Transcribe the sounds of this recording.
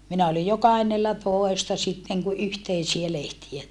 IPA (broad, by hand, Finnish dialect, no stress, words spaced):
minæ olij jo kɑhenːelːɑtoˑestɑ sitːeŋ ku yhteisiæ lehtiæ